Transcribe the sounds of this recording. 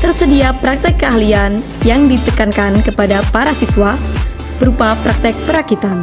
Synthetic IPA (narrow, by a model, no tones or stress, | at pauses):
t̪ərsədiapɾak̚t̪ɛkːəahlian | jaŋdit̪əkankankəpadapaɾasiswa | b̥əɾupapɾak̚t̪ɛk̚pəɾakit̪an